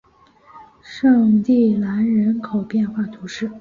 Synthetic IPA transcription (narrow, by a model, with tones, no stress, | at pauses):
ʂɤ˥˧ŋt̪i˥˩la˧˥nɻə˧˥nkʰo˨˩ʊpjɛ˥˧nxwa˥˩t̪ʰu˧˥ʂɻ̩˥˩